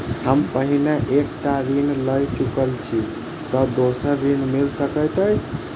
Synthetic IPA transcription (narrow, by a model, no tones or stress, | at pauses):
həmpəɦineʔek̚ʈaɾinləjt͡ʃukəlt͡ʃʰi | t̪ɔd̪osəɾːinmilsəkəjt̪əj